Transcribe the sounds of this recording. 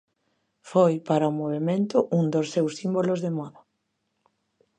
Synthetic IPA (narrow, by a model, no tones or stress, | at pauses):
fojpaɾɐʊmoβemẽnt̪ʊʔuŋd̪osːewsimbolozðemɔða